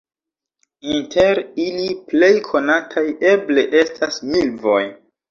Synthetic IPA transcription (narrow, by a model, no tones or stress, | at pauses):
intʰe̞ɾiliple̞jkʰo̞natʰaje̞ble̞ʔe̞stʰasmilvo̞j